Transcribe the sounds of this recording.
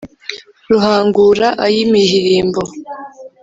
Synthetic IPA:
ɾuhaːŋɡuɾaʔajimihiɾiːmbo̞

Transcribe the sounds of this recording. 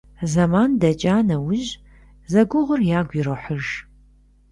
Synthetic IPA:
zɐmaːndɐt͡ʃʼaːnɐwʊʒ | zɐɡʷʊʁʷʊrjaːɡʷiɾɐħɨʒ

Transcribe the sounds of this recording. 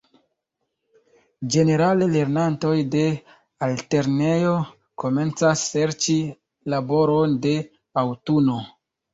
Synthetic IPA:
d͡ʒe̞ne̞ɾalele̞ɾnanto̞jde̞ | alte̞ɾnejo | ko̞me̞nt͡sasːe̞ɾt͡ʃi | labo̞ɾo̞nde̞ | awtuno̞

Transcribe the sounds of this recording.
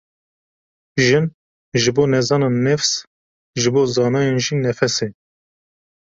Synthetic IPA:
ʒɨn | ʒɨboːnɛzɑːnɑːnɛfs | ʒɨboːzɑːnɑːjeːnʒinɛfɛse

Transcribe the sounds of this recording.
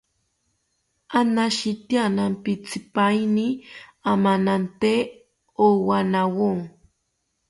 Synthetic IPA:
anaʃit̪janampit͡sʰipajniamanant̪e | owanawoŋ

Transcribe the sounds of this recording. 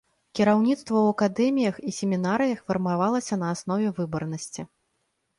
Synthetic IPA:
kʲiɾawnʲit̪st̪vɐwɐkad̪ɛmʲijɐxisʲemʲinaɾɨjɐxfʲɐrmavalˠɐsʲɐnɐːsn̪ɔvʲɛvɨbɐrnɐsʲt͡sʲi

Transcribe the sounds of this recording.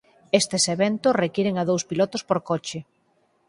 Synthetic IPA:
est̪eseβent̪osrekiɾeŋað̞owspilɔt̪ospoɾkɔt͡ʃɪ

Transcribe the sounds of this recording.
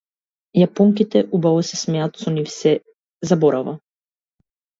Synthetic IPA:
japɔŋkit̪ɛʔubavɔsɛsmɛat̪sɔnifsɛ | zabɔɾava

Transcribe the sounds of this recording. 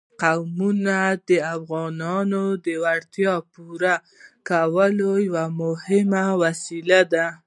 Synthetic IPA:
qawmunad̪əafɣɑnɑnod̪əwaɽt̪jɑpuɾa | kawəlojawamʊhɪmawasilad̪a

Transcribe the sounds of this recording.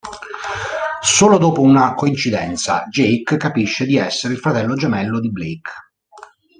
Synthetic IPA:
soːlod̪ɔːpounakoint͡ʃid̪ɛ̰nt̪sa̰d͡ʒejkkːapiʃːed̪iɛsːeɾeilfɾat̪ɛlːod͡ʒemɛlːod̪iblejk

